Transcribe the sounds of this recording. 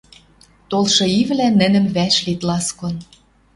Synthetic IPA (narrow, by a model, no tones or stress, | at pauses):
t̪olʃɤ̆iβlænːə̆nə̆mβæʃlit̪lɑskon